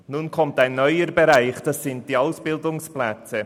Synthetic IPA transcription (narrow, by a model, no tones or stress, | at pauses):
nunkʰɔmtaɪnːœʏəɾbeɾaɪχd̥ɑsːɪnt̚d̥iːaʊsb̥ɪldʊŋsplɛt͡sə